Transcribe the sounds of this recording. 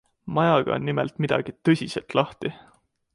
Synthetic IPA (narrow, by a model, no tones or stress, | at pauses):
mɑjɑɡ̥ɑ̰o̰nːimɛlt̪ˑmid̪̥ɑ̰ɡ̥it̪ɤsʲiselt̪lɑht̪i